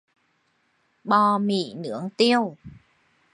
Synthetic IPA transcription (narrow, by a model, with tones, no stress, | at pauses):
ɓɔ˧mḭ˧˩nɨ̰˧˥əŋt̪i˧əw